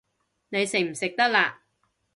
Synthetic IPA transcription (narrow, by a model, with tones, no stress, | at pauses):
ne˨˧jsɪ˨˩ŋ̚m̩˨˩sɪ˨k̚t̪ɐ˥k̚laː˧